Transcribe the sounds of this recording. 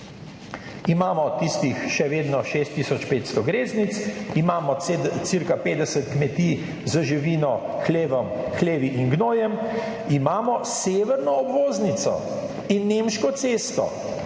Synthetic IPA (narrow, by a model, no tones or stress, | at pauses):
imaːmɔt̪ist̪ixʃɛʋeːd̪nɔʃeːst̪ːiːsɔt͡ʃpeːt̪st̪ɔɡɾeːznit̪simaːmɔsiɾkapeːd̪ɛsət̪kmɛt̪iː | zəʒiʋiːnɔxleːʋɔm | xleːʋiʔinɡnoːjɛm | imaːmɔseːʋɛɾnɔːbʋoːznit̪sɔ̰ | inːemʃkɔt̪seːst̪ɔ̰